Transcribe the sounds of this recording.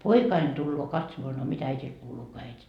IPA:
poikɑin tulːoː kɑtsomoɑ no mitæ æitil kuːluː ko æiti

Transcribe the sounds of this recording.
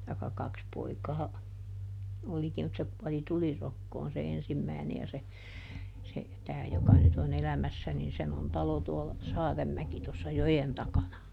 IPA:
tɑikːɑ kɑks poikɑː olikim mut se kuɔli tulirokːoːn se ensimːæˑi̯ne jɑ se se tæː jokɑ nyt on elæmæsːæ nin sen on tɑlo tuolːɑ sɑːremːæki tosːɑ jojen tɑkɑnɑ

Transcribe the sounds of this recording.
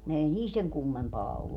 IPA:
ei niːl seŋ kumːempɑː olːu

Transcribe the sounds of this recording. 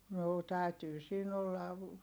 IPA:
noː tæˑytyː siːn olːɑʋ

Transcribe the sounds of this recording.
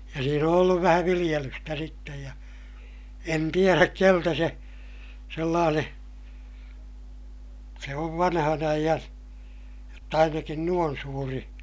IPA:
jɑ siːn on olːuʋ ʋæhæ ʋilij̆elystæ sitːej jɑ en tieræk keltæ se selːɑːneː se oʋ ʋɑnhɑn ɑijɑn jotː ɑinɑkin nuon suːri

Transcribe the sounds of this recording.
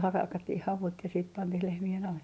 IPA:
hɑkɑtːih hɑʋut jɑ siːt pɑntih lehmien ɑle

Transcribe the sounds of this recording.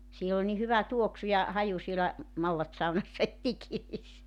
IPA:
siel ol ni hyʋæ tuoksu jɑ hɑju sielæ mɑlːɑtsɑunɑsːɑ et ikiːs

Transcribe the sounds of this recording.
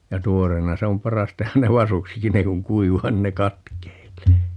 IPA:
jɑ tuoreːnɑ se om pɑrɑs tehæn ne ʋɑsuksikin ne kuŋ kuiʋˑɑː nin ne kɑtkeilˑeː

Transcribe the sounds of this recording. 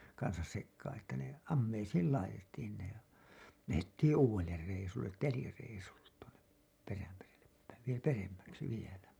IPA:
kɑnsɑs sekːɑːn etːæ ne ɑmːeisiːl lɑitetːiːn ne læhetːiːĩ uːw̥elːer reisulːet telireisulːe tuonep peræmerelːep pæiʋ ʋie peremːæksi ʋielæ

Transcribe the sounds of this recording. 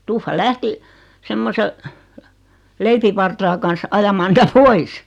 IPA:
tufːɑ læhti semːose leipiʋɑrtɑː kɑns ɑjɑmɑː nitæ pois

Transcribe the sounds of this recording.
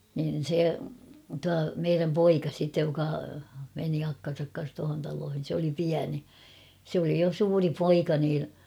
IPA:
nin̞ se tuɑ meiræm poikɑ sitːej jokɑ meni ɑkːɑn̞sɑk kɑn̞s tuɑhon tɑloːhin̞ sĕ oli piæni sĕ oli jo suːri poikɑ nin̞

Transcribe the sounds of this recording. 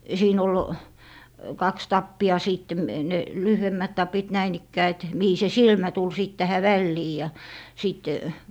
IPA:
siːn ol kɑks tɑpːiɑ siːtːe ne lyhyemːæt tɑpit næin ikːæː et mihi se silmæ tul siˑt tæhæ ʋælːiː jɑ siˑt

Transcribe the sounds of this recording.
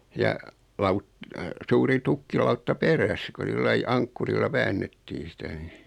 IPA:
jɑ lɑut suːri tukːilɑutːɑ peræs ku silːɑi ɑŋkːurilːɑ ʋæːnːetːiːn̞ sitæ ni

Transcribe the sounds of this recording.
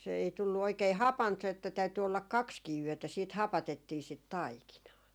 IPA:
se ei tulːu oikei hɑpɑnt se etːæ tæyty olːɑk kɑkskiː yøtæ siːt hɑpɑtetːiː sit tɑikinɑː

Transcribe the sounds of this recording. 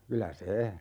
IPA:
kylæ se

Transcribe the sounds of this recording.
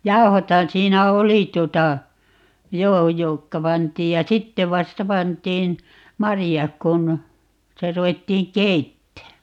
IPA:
jɑu̞hothɑn siːnæ oli tuotɑ joː jokːɑ pɑntˑiːj jɑ sitːe ʋɑstɑ pɑntˑiːn mɑrijɑk kun sitæ ruwetːiːŋ keitːæː

